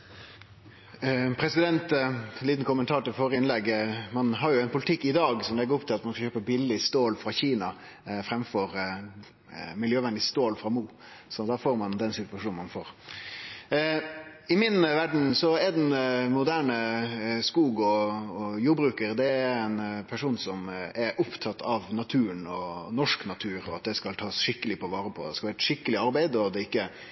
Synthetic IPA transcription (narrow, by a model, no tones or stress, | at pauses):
pʰɾɛsɪd̪ɛnt̪liːt̪n̩kʊmənt̪ʰɑːɾʈ̪ɪlfɔɾəɪnlɛɡmɑnɦɑɾjʊæɪnpʰʊlɪt̪ʰɪkːɪd̪ɑːɡsɔmlɛɡəɾɔpt̪ʰɪlɑt̪mɑnskɑçøːpəbɪlːɪst̪oːlfɾɑçiːnɑ | fɾɛmfɔɾ | mɪljøːʋɛnd̪ɪst̪oːlfɾɑmuː | sɔd̪ɑːfoːɾmɑnd̪ɛnsɪt̪ʋɑʂuːnmɑ̰nfo̰ːɾ | ɪmɪnʋæɖɳ̩sɔɛd̪ɛnmʊd̪æːɳəskuːɡɔɔjuːɾbɾʉːkəɾd̪ɛææɾɛnpʰæʂuːnsɔmɛɾʔʊpt̪ʰɑt̪ʰːɑʋnɑt̪ʰʉːənɔnɔʂknɑt̪ʰʉːɾɔɑt̪̚d̪ɛskɑlt̪ʰɑːsʂɪkːəlɪpʰɔʋɑːɾəpʰɔ̰d̪ɛskɑʋɪɾɛt̪ʂɪkːəlɪɑɾbæɪd̪ɔd̪ɛɪkːə